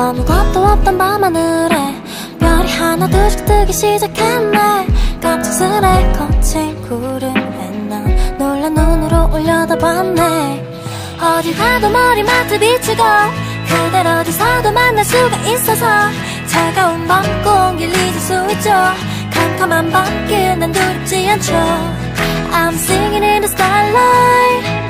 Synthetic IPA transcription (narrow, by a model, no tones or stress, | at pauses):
ʌmuɡʌt̪͈owʌt̚t̪͈ʌnbamanɯɾe | mjʌɾihanadɯsʰi̥k̚t̪͈ɯɡiɕʰiɭd͡ʑakʰenːekak̚t͡ɕʰo̥sʰɯɾekʌt͡ɕʰeŋkuɾɯmenːanoɭːanunɯɾoʔoʎːʌdʌbanːe | ʌd͡ʑisʰadomʌɾimatʰɯbit͡ɕʰɯɡa | kʰɯɭd̪eɾʌd͡ʑisʰad̪omanːasuɡaʔis͈ʌsʰʌ | t͡ɕaɡaɯmbak͈oŋɡilːid͡ʑosuŋit͡ɕ͈o | kamkʰamanbak͈ɯnɯnduɾip̚t͡ɕ͈iant͡ɕʰʌ | amsɯŋinɯnɯsk͈alːa